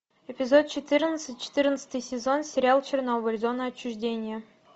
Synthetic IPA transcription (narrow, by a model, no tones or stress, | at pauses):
epʲɪzot̪̚t͡ɕɪt̪ɨrnət̪sɨtʲt͡ɕɪ̥t̪ɨrnət̪sə̥t̪ɨjsʲɪzonsʲɪɾʲɪalˠt͡ɕɪrnobəlʲzonəɐt͡ɕːuʐdʲenʲɪjə